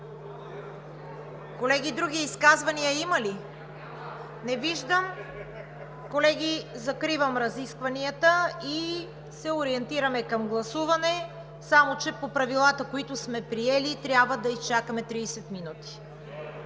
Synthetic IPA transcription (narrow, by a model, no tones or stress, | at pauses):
kolɛɡʲid̪ɾuɡʲiiskazvɐniəimɐli | nɛviʒd̪əm | kolɛɡʲizɐkɾivɐmɾɐziskvɐniət̪əi | sɛoɾiɛnt̪iɾɐmɛkɐmɡlˠɐsuvɐnɛ | samot͡ʃɛpopɾɐvilˠat̪əkoit̪ʊsmɛpɾiɛlit̪ɾʲjabvəd̪ɐist͡ʃakəmɛt̪ɾiːsɛt̪minut̪i̥